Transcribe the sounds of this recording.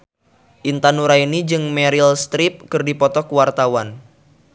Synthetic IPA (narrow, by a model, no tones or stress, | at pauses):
ʔint̪anuɾainid͡ʒɨŋmɛɾilst̪ɾip̚kɨrdipɔt̪ɔkuwart̪awan